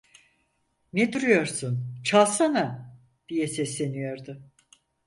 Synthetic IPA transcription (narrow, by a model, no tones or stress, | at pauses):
ned̪uɾujo̞ɾsunt͡ʃʰalˠsana | d̪̥ijɛsɛslʲe̞nijo̞ɾd̪ʊ